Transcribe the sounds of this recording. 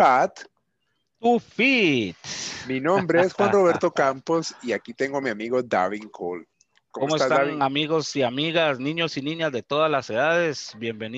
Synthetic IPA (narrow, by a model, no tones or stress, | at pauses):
pat̪ | t̪ufit̪minõmbɾeesxwanro̞βeɾt̪o̞kampo̞siakit̪e̞ŋɡomiamiɣo̞d̪a̰βiŋkʰol | koomoestsat̪aaŋamiɣo̞siamiɣasnĩɲo̞sinĩɲazðe̞t̪o̞ðazlase̞ðaðe̞sbje̞mbe̞ni